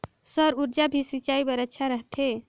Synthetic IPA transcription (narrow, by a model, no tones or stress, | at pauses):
səɾuɾd͡ʒabʱisit͡ʃaibəɾətːʃʰaɾəɦt̪ʰe